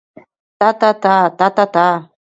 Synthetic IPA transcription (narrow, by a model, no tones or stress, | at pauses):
t̪at̪at̪at̪at̪at̪a